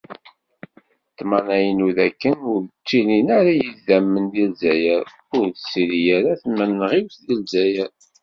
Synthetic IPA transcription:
t̪ːmɑnæjənuðækːənʊɾt͡ʃːilinaɾæjəzæmːənd̪ilzæjəɾ | ʊɾðəsiɾijæɾæθmːænːʁiwθðilzæjəɾ

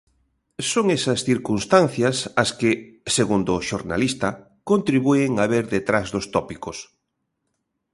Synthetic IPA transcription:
soŋesɐsθiɾkunst̪anθjɐsɐskɪseɣund̪oʃoɾna̰list̪ɐ | kont̪ɾiβueŋaβeɾðet̪ɾazðost̪ɔpikos

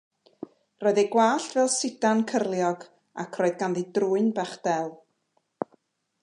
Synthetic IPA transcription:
rɔːɨðeɡwaːɬtʰvɛlˠsɪd̥ankʰərlˠjɔɡ | a̰kʰroːɨðɡanðidruːɨnbaχd̥ɛlˠ

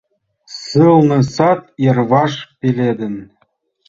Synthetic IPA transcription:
sɯlˠnɤ̆sɑt̪̚jɤ̆rβɑʂpʲilʲed̪ə̆n

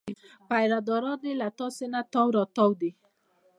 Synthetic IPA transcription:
pajɾadɔɾɔdɪlat̪ɔsɪnat̪ɔwɾɔt̪ɔwdɪ

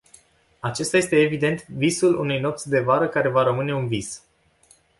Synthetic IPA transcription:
at͡ʃe̞st̪ajest̪e̞ːvid̪e̞nt̪visulunujno̞p̚t̪sʲd̪e̞vaɾəkaɾe̞vaɾəmɨne̞unvis

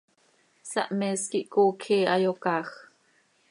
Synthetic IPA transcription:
sɑʔmɛːskiʔkoːkʰiːɑjokɑːx

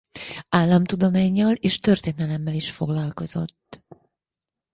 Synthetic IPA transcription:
aːlːɒmt̪ud̪o̞maːɲːɒleːʃt̪ørt̪eːnɛlɛmːɛliʃfo̞ɡlɒlko̞zo̞̰t̪ː

